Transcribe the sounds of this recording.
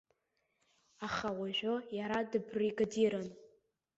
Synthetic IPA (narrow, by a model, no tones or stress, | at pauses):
aχawaʒʷᶣojaɾadɨbriɡadiɾan